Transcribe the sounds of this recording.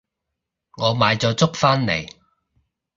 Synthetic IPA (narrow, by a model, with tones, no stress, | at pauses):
ŋɔː˨˧maː˨˧jt͡sɔː˨˧t͡sʊ˥k̚faː˥nlḛ˨˩j